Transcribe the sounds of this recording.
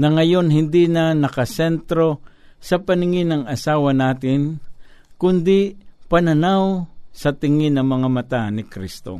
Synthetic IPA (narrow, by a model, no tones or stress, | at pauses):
nɐŋɐjo̞nɦɪnd̪inɐnɐkɐsɛnt̪ɾo̞ | sɐpɐnɪŋɪnɐŋɐsaːwɐnaːt̪ɪnkʊnd̪ɪpɐnɐnawsɐt̪ɪŋɪnɐŋmɐŋamɐt̪anɪkɾist̪o̰